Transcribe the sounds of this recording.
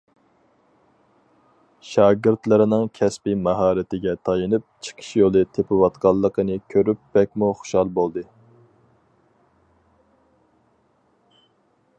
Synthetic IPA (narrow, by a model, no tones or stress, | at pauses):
ʃɑːɡɪɾt̪lˠɨɾɪnɨŋkʲʰɛspimɑɦɑːɾɪt̪ɪɡʲɛt̪ʰɑjɨnɨp̚t͡ʃʰə̥qʰə̥ʃjolˠɨt̪ʰepʰɪwɑt̪qɑlˠːəqʰənɨkʲʰøɾyp̚bɛkʲmuχʊ̥ʃɑlˠbolˠd̪ɨ